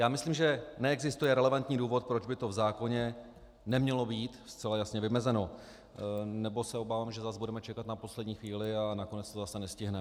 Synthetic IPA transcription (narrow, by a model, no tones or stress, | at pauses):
jaːmɪsliːmʒɛnɛɛɡzɪst̪ujɛɾɛlɛvant̪ɲiːduːvo̞t̪̚pɾod͡ʒbɪt̪o̞vzaːko̞ɲɛ | nɛmɲɛlobiːt̪st͡sɛlajasɲɛvɪmɛzɛno̞ | nɛbo̞sɛo̞baːvaːmʒɛzazbudɛmɛt͡ʃɛkat̪napo̞slɛdɲiːxviːlɪanako̞nɛt͡st̪ozasɛnɛscɪɦnɛ